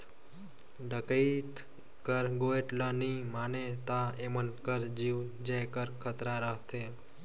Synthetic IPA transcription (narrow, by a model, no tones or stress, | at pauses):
ɖəkəit̪ | kəɾɡoeʈlənimanet̪aemənkəɾd͡ʒiʋd͡ʒəjkəɾkʰət̪ɾaɾəɦt̪ʰe